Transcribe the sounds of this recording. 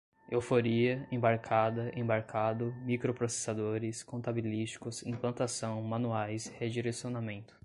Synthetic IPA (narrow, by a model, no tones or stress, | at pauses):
ḛwfoɾiɐẽbaɾkʰad̪ɐʔḛ̃baɾkʰad̪ʊmikɾopɾose̥sad̪oɾɪskõnt̪abilist͡ʃi̥kʊsḛ̃plɐ̃nt̪asɐ̃w̃mɐ̃nuajshed͡ʒiɾesionamẽnt̪ʊ̥